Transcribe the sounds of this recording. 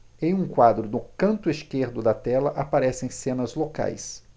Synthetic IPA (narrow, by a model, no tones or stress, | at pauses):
ẽj̃ũkwad̪ɾʊd̪ʊkɐ̃nt̪ʊɪskeɾd̪ʊd̪ɐt̪ɛlɐʔapaɾɛsẽj̃sẽnɐzloka̰js